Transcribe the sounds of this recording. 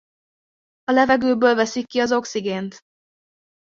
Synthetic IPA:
ɒlɛvɛɡøːbøːlvɛsikːiɒzo̞ksiɡeːnt̪

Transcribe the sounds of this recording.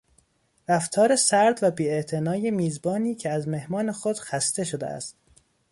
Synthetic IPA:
ɾæft̪ʰɒːɾesæɾd̪væbiːeʔt̪ʰe̞nɒːjemiːzbɒːniːcʰeæzme̞hmɒːne̞xo̞d̪̥xæst̪e̞ʃo̞d̪ḛæ̰st̪

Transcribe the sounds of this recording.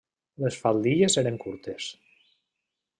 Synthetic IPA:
lesfalˠd̪iezeɾeŋkuɾt̪es

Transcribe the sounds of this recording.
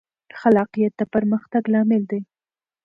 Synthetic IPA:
xalɑqijat̪̚d̪apəɾməxt̪aɡlɑmɪld̪e

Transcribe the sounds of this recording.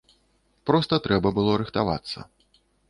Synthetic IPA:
pɾɔst̪ɐt̪ɾɛbɐbɨlˠɔɾɨxt̪ava̰t̪sːɐ̰

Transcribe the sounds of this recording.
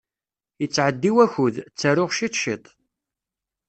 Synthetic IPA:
jət͡sːʕəd̪ːiwæçʊðt͡sːəɾʊʁʃiθʃit̪ˤ

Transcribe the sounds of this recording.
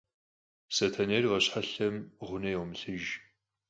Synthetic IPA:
sɐtʰɐnerʁɐɕħaɬɐmʁʷʊnɐjɛwmɨɬɨʒ

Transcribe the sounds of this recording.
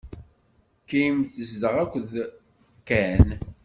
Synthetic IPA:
kːijmθəzd̪əʁækʷːð | kːæn

